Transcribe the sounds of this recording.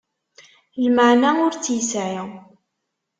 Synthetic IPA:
lməʕnaʊɾt͡sːjəsʕi

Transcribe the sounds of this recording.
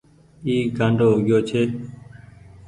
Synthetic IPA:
iːɡʱə̃ɳɖʱoːɡɪjoːt͡ʃʰeː

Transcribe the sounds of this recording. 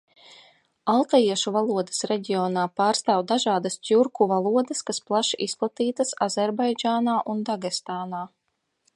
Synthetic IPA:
alˠt̪ajiɛʃuvalˠuɔd̪ə̥sɾɛɟʲiɔːnaːpaːɾst̪aːwd̪aʒaːd̪ast̪ʲuɾkuvalˠuɔd̪ɐskasplˠaʃʔisplˠat̪iːt̪asazɛɾbajd͡ʒaːnaːʔund̪aɡɛst̪aːnaː

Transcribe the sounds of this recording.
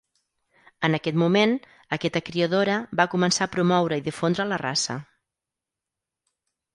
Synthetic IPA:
ənəkɛt̪mumen | əkɛt̪əkɾiəðoɾəbakumənsaːpɾumɔwɾəiðifond̪ɾələra̰sə̰

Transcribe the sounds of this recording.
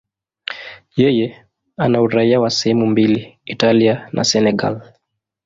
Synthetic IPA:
jɛjɛ | anauɾaiawasɛhɛmumbiliitalianʔa̰sɛnɛɡa̰l

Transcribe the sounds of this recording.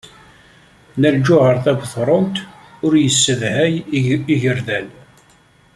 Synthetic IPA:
næld͡ʒʊʕəɾˤθæbθɾˤont̪ | ʊɾjəsːəvhæjiʝəɾðæl

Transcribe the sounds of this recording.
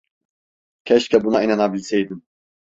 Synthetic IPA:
cʰɛʃcʰʲɛbunainanabilʲsɛjd̪im

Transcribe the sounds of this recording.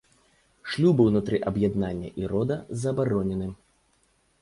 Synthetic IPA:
ʂlʲubɨwnut̪ɾɨʔɐbjad̪nanʲːɐ̰ʔiɾɔd̪ɐzɐbaɾɔnʲɛnɨ

